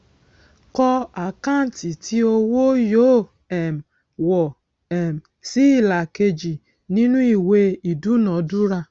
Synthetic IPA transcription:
kɔ˦a˨ka˦n̩˨ti˨tʰi˦o˦wo˦jo˦ | ɛ˨m̩˨ | wɔ˨ | ɛ˨m̩˨ | si˦i˦˨la˨ke˧d͡ʒi˨ | nĩ˦nũ˦i˨we˧i˨du˦nɔ̃˨˦du˦ɾa˧

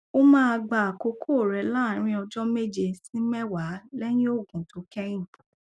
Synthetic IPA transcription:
o˦mãː˦a˧ɡ͡ba˨a˨ko˨˧kʰo˦˨ɾɛ˨˦la˦˨ɾ̃ĩ˧˦ɔ˧d͡ʒɔ˦me˦˨d͡ʒe˧sĩ˦mɛ˦wa˨˦lɛ˦j̃ĩ˦o˦˨ɡũ˨to˨˦kɛ̃˦ĩ˦˨

